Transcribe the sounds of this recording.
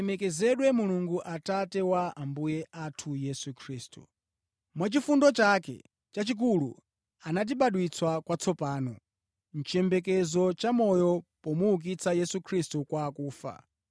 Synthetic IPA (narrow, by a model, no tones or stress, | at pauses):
ɛmɛkɛzɛɗwɛmuluŋɡuʔatatɛwaambujɛʔatʰujɛsukʰɾiːstu | mwat͡ʃifundɔt͡ʃakɛ̰ | t͡ʃat͡ʃik̬ulṵ | anat̬iɓaɗwit͡swakwat͡sʰɔpaːnɔ | n̩t͡ʃɛmbɛk̬ɛzɔt͡ʃamɔjɔpɔmuuk̬it͡sʰajɛsukʰɾistukwakuːfa̰